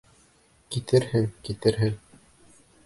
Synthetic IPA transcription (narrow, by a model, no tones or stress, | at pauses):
kit̪ɘɾhɘŋkit̪ɘɾɦɘŋ